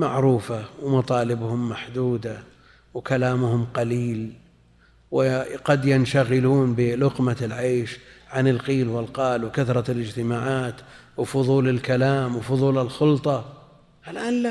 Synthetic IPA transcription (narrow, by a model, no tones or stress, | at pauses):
maʕɾuːfawmɑt̪ˤɑːlɪbhʊmːaħd̪uːd̪a | wkalaːmʊhʊmqɑliːl | wɪqɑd̪jɪnʃaɣɪluːnbɪlʊqmalʕeːʃʕanɪlqiːlwɪlqɑːlwkaθɾˤɑlɪd͡ʒt̪ɪmaːʕaːt̪ | wfʊðˤuːlɪlkalaːmwfʊðˤuːlɪlxʊlt̪ˤɑ | ʔalʔaːnla